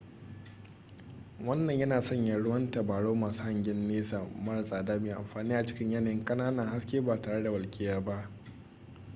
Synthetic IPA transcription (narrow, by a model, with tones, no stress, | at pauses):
wɐ˦nːɐ˨ɲjɐ˦naː˨sɔ˦ɲjaː˨ɽʊ˦wɐ˦nta˨baː˨ɽoː˦maː˨su˦ha˨ŋɡʲɪ˦nːeː˦sa˨mɐ˦ɽa˨sʼaː˨daː˦meː˨ʔa̰˨mɸaː˨niː˦ʔa˨t͡ʃɪ˦kʲɪ˦ɲjɐ˦naː˨jɪ˦ŋkʼɐ˦naː˦nɐ˨ŋha˦skʲeː˦baː˨taː˨ɽe˦da˨wɐ˨lkʲʼɪː˦jaː˦ba˦ʔ